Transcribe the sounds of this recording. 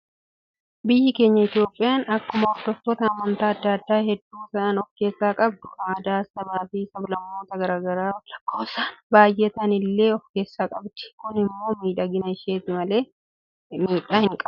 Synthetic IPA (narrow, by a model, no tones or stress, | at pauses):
bɪjːɪke̞ːɲːɐɪt̪ɪjoːpʼːɪjaːnɐkːʊmɐɔt̪ɔfɔt̪ɐːmːɐnt̪aːɐd̪ːɐːɐd̪ːaːhɛd̪ːuːsɐʔɐnɔfkeːsːaːkʼɐbd̪ʊ̥kad̪aːsɐbaːfiːsɐblɐmːo̞ːt̪ɐɡɐɾaːɡɐɾaːlɐkʰːoːsaːnbaːjʔɛt̪ɐnɪlːe̞ːɔfke̞ːsːaːkʼɐbd̪̥ɪ̥kʊnɪmːo̞ːmiːᶑɐɡɪnɐɪʃeːt̪ɪmɐle̞ː | miːᶑaːhɪŋkʼɐ